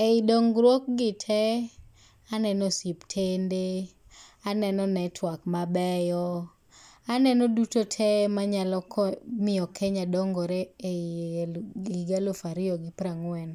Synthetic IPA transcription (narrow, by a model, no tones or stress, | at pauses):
eidɔŋɡɾwok̚ɡɪtʰɛ | anɛnɔsiptʰende | anɛnɔnɛtʰwakmabɛjɔ | anɛnɔdutotʰɛmaɲalɔkʰɔmɪjɔkʰɛɲadɔŋɡɔɾee | ɡiɡalofaɾɪjɔɡɪpɾaŋwɛn